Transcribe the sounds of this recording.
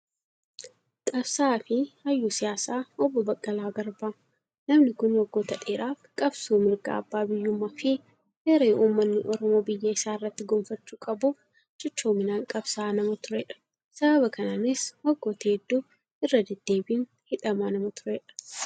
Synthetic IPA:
kʼɐbsaːfɪhɐjːuːsɪjaːsaːɔbːɔbɐkʼːɐlaːɡɐɾbaː | nɐmnɪkʊnwɔɡːoːt̪ɐᶑʼeːɾaːfkʼɐbsuːmɪɾɡa̰ːbːaːbɪjːʊmːafɪ | heːɾeːʔuːmːɐnːɪʔɔɾɔmo̞ːbɪjːɐɪsaːɪrːɐt̪ːɪɡoːmfɐt͡ʃːuːkʼɐbuːf | d͡ʒɐt͡ʃːoːmɪnaːŋkʼɐbsaːnɐmɐt̪ʊɾɛᶑɐ̥ | sɐbɐβɐkɐnaːnɪswɔɡːoːt̪ɐɛd̪ːuː | ɪrːɐd̪ɛd̪̥ːe̞ːbiːn | hɪᶑɐmaːnɐmɐt̪ʊ̥ɾɛːᶑɐ̥

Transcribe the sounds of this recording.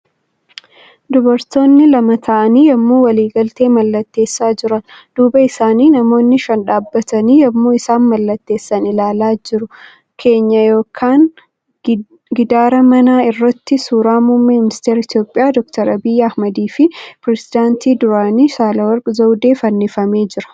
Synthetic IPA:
d̪ʊbɐɾt̪o̞ːnːɪlɐmɐt̪ʰɐʔɐniːjɐmːuːwɐliːɡɐlt̪e̞ːmɐlːɐt̪ːe̞ːsːaːd͡ʒɪɾɐnd̪̥uːbɐɪsaːniːnɐmo̞ːnːɪʃɐnᶑaːbːɐt̪ɐniːjɐmːuːɪsaːnmɐlːɐt̪ːe̞ːsːɐnɪlaːlaːd͡ʒɪɾʊ | kʰe̞ːɲːɐjo̞ːkʰaːn | ɡɪd̪aːɾɐmɐnaːɪrːɐt̪ːɪsuːɾaːmumːeːmɪnɪst̪eːɾɪt̪ijo̞ːpʼːɪjaːd̪ɔkt̪ɐɾɐbɪjːɐhmɐd̪iːfɪpɾɛsɪd̪aːnt̪ʰiːd̪ʊɾaːniːsaːlɐwɐɾɡʼʊzɐwd̪e̞ːfɐnːɪfɐme̞ːd͡ʒɪɾɐ̥

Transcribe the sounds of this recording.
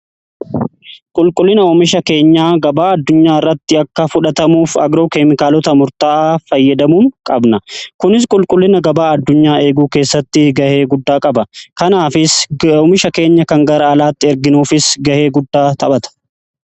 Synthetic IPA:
kʼʊlkʼʊlːɪnɐɔmɪʃɐke̞ːɲːaːɡɐbaːɐd̪ːʊɲːaːɪrːɐt̪ːɪɐkːɐfʊᶑɐt̪ɐmuːfɐ̰ɡɾoːkeːmɪkaːlɔt̪ɐmʊɾt̪aːʔfɐjːɐd̪ɐmuːŋkʼɐbnɐkʊnɪs̬kʼʊlkʼʊlːɪnɐɡɐbaːɐd̪ːʊɲːaːe̞ːɡuːke̞ːsːɐt̪ːɪɡɐhe̞ːɡʊd̪ːaːkʼɐbɐkɐnaːfɪsɔmɪʃɐke̞ːɲːɐkɐŋɡɐɾɐɐlaːt̪ːɪɛɾɡɪnuːfɪsɡɐhe̞ːɡʊd̪ːaːt̪ʰɐbɐt̪ɐ̥

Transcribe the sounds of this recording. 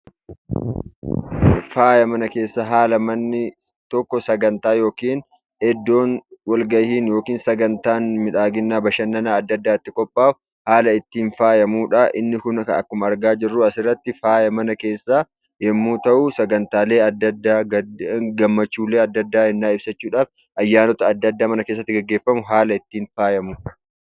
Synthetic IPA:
faːjɐmɐnɐke̞ːsːɐɦaːlɐmɐnːɪ | t̪ɔkːɔsɐɡɐnt̪aːjo̞ːkiːn | ɛd̪ːo̞ːnwɐlɡɐjhiːnjo̞ːkiːnsɐɡɐnt̪aːnmɪᶑaːɡɪnːaːbɐʃɐnːɐnaːɐd̪ːɐd̪ːaːɪt̪ːɪkʼɔpʼːaː | haːlɐɪt̪ːiːnfaːjɐmuːᶑɐʔɪnːɪkʊnkɐ̰ɐ̰kːʊmɐɾɡaːd͡ʒɪrːuːɐsɪrːɐt̪ːɪfaːjɐmɐnɐke̞ːsːa | jɛmːuːt̪ɐʔuːsɐɡɐnt̪aːle̞ːɐd̪ːɐd̪ːaːɡɐɡɐmːɐt͡ʃːuːle̞ːɐd̪ːɐd̪ːaːɛnːaːɪb̥sɐt͡ʃːuːᶑaːf | ʔɐjːaːnɔt̪ɐɐd̪ːɐd̪ːaːmɐnɐkeːs̬ːɐt̪ːɪɡɐɡːe̞ːfːɐmʊɦaːlɐɪt̪ːiːnfaːjɐmuᶑɐ̥

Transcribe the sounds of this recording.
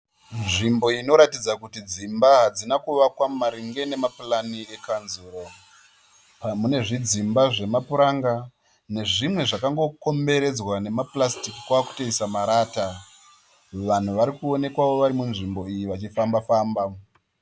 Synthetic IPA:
nʐimbo̞ino̞ɾatid͡zakutid͡zimbaɦad͡zinakuʋakwamaɾiŋɡe̞ne̞mapulanie̞kanzuːɾo̞ | pamune̞ʐid͡zimbaʐe̞mapuɾaŋɡa | ne̞ʐimwe̞ʐakaŋɡo̞ko̞mbe̞ɾe̞d͡zwane̞maplastiki̥kwaːku̥teisamaɾaːta | ʋan̤uʋaɾikuo̞ne̞kwaʋo̞ʋaɾimunʐimbo̞ijiʋat͡ʃifambafaːmba

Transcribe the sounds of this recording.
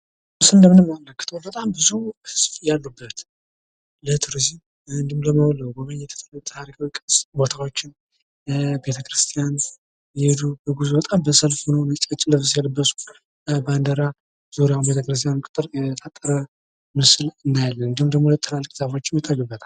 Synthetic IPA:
ɨsɨnd̪əmɨnɨmːamləkːɨ̥t̪ʰəwbət̪ʼambɨzuhɨsfjalːubːət̪ | lət̪ʰɨɾɨzi | ɨnd̪ɨmləməwləwbəməɲːɛt̪ʰə̥t̪ʰlt̪ʰaɾikʰawkʼsbo̞t̪ʰawo̞t͡ʃːɪn | be̞t̪ʰəkʰɾɨst̪ʰijan | jɛhed̪ubəɡuzubət̪ʼambəsəlfhonəwmət͡ʃʼət͡ʃʼːləfɨs̬jɛlbːəsu̥ | band̪əɾa | z̥uɾjawnbe̞t̪ʰəkɾɨs̬t̪ʰʼijannkʼɨt̪ʼɨɾjɛt̪ʰat̪ʼːəɾə | mɨsɨlɨnːajalːənɨnd̪imd̪əɡmolət̪ʼʰːɨlalːɨkʼzafot͡ʃːɪnjɛt̪ʰːajubːət̪ʰal

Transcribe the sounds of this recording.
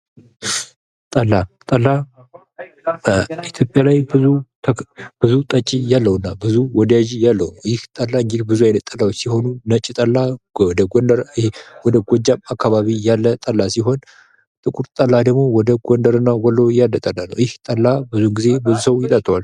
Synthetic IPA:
t̪ʼəlːat̪ʼəlːa | it̪ʰjo̞pʼjalajbɨzu | b̥ɨzut̪ʼət͡ʃʼːijalːəwɨnːabɨzuwɔd̪əjaʒijalːəwnwjɪht̪ʼəlːaɨŋɡd̪bɨzujajnət̪ʼːəlːawot͡ʃːsiho̞nunət͡ʃʼːit̪ʼəlːad̪əɡɔnd̪əɾhwɔd̪əɡʷɔd͡ʒːamakʰːaβaβijalːət̪ʼəlːasiɦo̞n | t̪ʼɨkʼuɾt̪ʼəlːad̪əɡmo̞wɔd̪əɡʷɔnd̪əɾɨnːawɔlːowjalːət̪ʼəlːanːə̰wjɪht̪ʼəlːabɨzuɡize̞bɨzusəwjɪt̪ʼat̪ʼːwal

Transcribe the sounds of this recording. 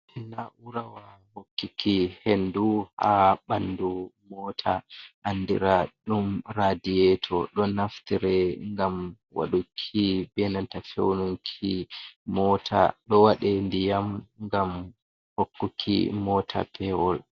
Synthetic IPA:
ʔɛnaʔuɾawa | hokːikihenduhaɓandumɔtʰaʔanːdḭɾaɗumɾadijɛtʰɔɗɔnaftiɾɛŋɡam | wa̰ɗukʰibɛnantafḛwnuŋkʰimɔːtʰa̰ɗɔwaɗɛndijamŋɡam | hokːukʰḭmɔtʰa̰pʰɛwɔl

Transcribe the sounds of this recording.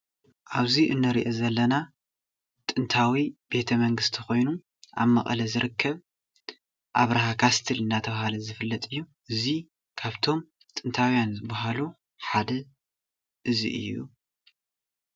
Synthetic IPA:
ʔaβziʔɨnːɨɾiʔozɐlːɐna | t̪ʼɨnt̪ʰawib̥e̞t̪ʰɐmɐŋɡɨst̪ʰixo̞jnu | ʔa̰βmɐkʼɐlɐzɨɾʔɨkʰːɐβ | ʔaβɾaɦakʰast̪ʰɨlɨnːat̪ʰɐβahalɐzɨfɨlːɐt̪ʼɨjːuʔɨzi | kʰaβt̪ʰo̞m | t̪ʼɨnt̪ʰawjanzɨbaɦalu | ħad̪ɐ | ʔɨzḭʔɨ̰jːṵ

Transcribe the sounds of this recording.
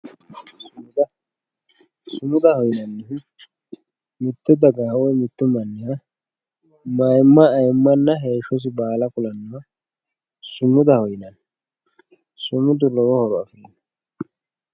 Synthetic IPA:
sʊmʊd̪ɐ | sʊmʊd̪ɐhɔjnɐnːɪ | mɪt̪ːʊd̪ɐɡaːwɔjmɪt̪ːʊmɐnːɪja | mɐjmːɐːjmːɐnːɐɦeːʃːɔs̬ɪbaːlɐkʊlɐnːʊɐ | sʊmʊd̪ɐhɔjɪnɐn | sʊmʊd̪ʊlɔwɔhɔɾɔɐfɪɾinɐ

